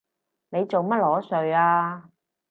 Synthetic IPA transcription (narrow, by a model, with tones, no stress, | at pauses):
ne˨˧jt͡so˨wmɐ˥t̚lɔː˨˥sɵ˨ɥaː˧